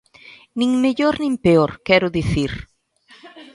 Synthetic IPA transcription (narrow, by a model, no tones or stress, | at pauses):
nĩŋmeʎoɾnĩŋpeoɾkɛɾʊðiθiɾ